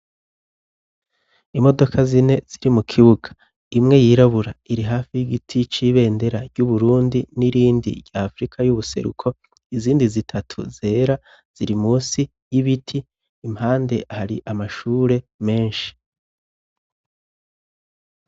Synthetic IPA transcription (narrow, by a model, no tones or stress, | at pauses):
imo̞do̞kʰazine̞z̥iɾimukʰiβuɡ̥ḁ | imŋe̞jiːɾaβuɾaiɾiɦaːfijiɡitʰit͡ʃiβe̞ːnde̞ɾaɾɟuβuɾuːndiniɾiːndḭɾɟaːfɾikʰajuβuse̞̰ɾṵkʰo̞ | iziːndizitʰatʰṵze̞ːɾa | z̥iɾimuːnsi | jiβitʰiː | mhaːnde̞ʔhaɾiʔamaʃuːɾe̞me̞ːnʃi̥